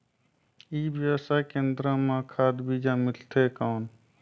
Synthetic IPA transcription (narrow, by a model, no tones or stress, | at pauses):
ibjəwsʰakẽːnd̪ɾəmãkʰaːd̪bid͡ʒamɪlt̪ʰekaːn